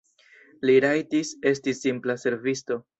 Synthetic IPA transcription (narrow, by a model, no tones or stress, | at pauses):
liɾajtise̞stisimplase̞ɾvisto̞